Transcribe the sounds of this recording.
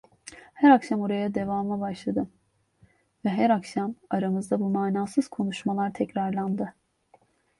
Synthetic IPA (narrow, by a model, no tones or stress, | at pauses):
hæɾakʃamoɾajad̪e̞vaːmlˠabaʃlˠad̪ɯm | vɛɦæɾakʃamaɾamɯzd̪abumaːnaːsɯz̥kʰo̞nuʃmalˠaɾt̪ʰɛcɾaɾlˠand̪ɯ